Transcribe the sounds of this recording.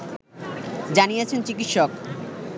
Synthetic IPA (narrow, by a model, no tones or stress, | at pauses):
d͡ʑanijet͡ɕʰent͡ɕikitʃok̚